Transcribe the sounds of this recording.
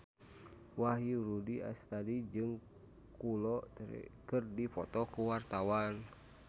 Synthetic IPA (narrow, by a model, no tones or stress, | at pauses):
waɦiɾudia̰st̪adid͡ʒɨŋ | kulɔt̪ɾɛ̰kɨrdipɔt̪ɔkuwart̪awan